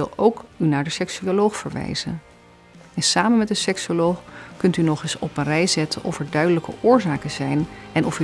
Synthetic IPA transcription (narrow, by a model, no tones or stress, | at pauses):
ɪlˠowkynaːɹdəsɛksyolowχfəɹʋɛ̰jz̥ə̰n | ɛnsaːmənmɛt̚dəsɛksolowχkɵntynɔχɪsɔpənrɛjszɛtənʔɔfɛɹdœɥdələkə̰ʔʊːɹzaːkəzɛjnɛnɔf